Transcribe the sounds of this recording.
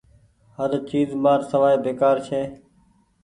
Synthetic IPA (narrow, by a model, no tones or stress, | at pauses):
həɾt͡ʃiːzmaːɾsəʋaːeːbeːkaːɾt͡ʃʰeː